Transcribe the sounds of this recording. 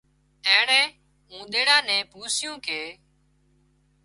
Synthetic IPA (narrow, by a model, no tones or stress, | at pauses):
ɛ̃ːɳɛ̃ː | ũːɗ̪eːɽaːnɛ̃ːpuːsɪjũːkeː